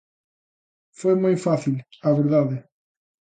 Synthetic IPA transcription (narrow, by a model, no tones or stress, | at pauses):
fojmojfaθilaβeɾðaðe